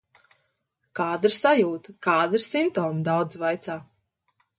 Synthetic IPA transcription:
kaːd̪ɾsajuːt̪kaːd̪ɾsimt̪ɔːmd̪awd̪zvajt̪saː

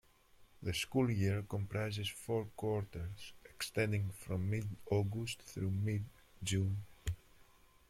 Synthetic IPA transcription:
ðəskulˠjiɹkɔ̃mpɾajzɪsfɔɹkwɔɹtəɹz̥ɛkst̪ɛ̃ndɪ̃ŋfɾɔ̃mːɪdɔɡust̪θɾumɪd | d͡ʒũn

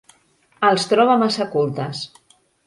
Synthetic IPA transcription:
əlˠst̪ɾɔβamasakulˠt̪əs

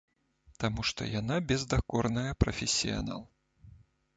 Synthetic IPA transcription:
t̪amuʂt̪ɔ̰janabʲɛzd̪akɔrnɐjɐpɾɐfʲesʲːija̰na̰lˠ

